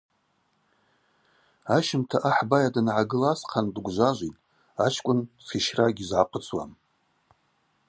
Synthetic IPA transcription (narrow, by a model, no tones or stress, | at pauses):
aʃɪmtʰaʔaħbajadɨnʕaɡɨlasqʰandɡʷʒʷaʒʷitʼ | at͡ʃʰkʷʼʊnsiʃraɡʲizʕaqʷʼət͡sʰʼwa̰m